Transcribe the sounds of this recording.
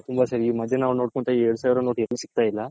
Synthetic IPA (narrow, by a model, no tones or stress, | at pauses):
t̪umbɐsɐɾimɐd̪ʱːenaːʋɾnoɽkoɳʈ̪aieːɽusaːʋɾɐnoːʈeɾːusi̥k̚t̪aːjilːɐ